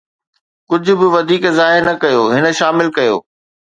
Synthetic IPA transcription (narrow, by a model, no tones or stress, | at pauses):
kʊd͡ʑʱʊ̆bɪʋɐd̪ʱiːkzaːɦɪɾnɐkɐjoːɦɪnə̆ʃaːmɪlkɐjo̰ː